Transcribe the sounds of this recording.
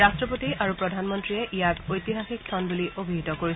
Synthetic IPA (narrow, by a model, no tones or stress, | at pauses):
astɹɔpotiʔaɹupɹɔdʱanmɔntɹiɛʔijakojtiɦaxik̚tʰɔnbuliobʱiɦitɔkoɹi